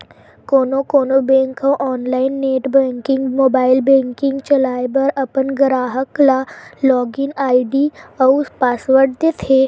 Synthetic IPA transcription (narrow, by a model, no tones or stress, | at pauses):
koːnokoːnobɛ̃ːŋkõʔɔːnlaːɪnːeːʈbɛ̃ːŋkɪ̃ŋɡmoːbaːɪlbɛ̃ːŋkɪ̃ŋɡt͡ʃɐlaːebɐɾɐpənɡəɾaːɦəklalɔːɡɪnaːɪɖ̪iɔspaːsʋəɾʈt̪et̪ʰeː